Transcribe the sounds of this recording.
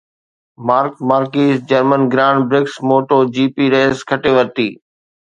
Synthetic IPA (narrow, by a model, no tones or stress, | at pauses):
maːɾkmaːɾkiːsd͡ʒəɾmənɡɾãːɳɖbɾɪksmoːʈoːd͡ʒiːpiːɾeːskʰəʈeːʋəɾt̪iː